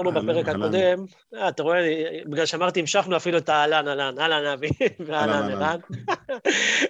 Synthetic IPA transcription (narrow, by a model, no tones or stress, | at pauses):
ʁnubapeʁekhako̞de̞m | aːt̪aʁoenibiɡlalʃeamaʁt̪iimʃaχnuafiluet̪aːlanalanalanavivealanelan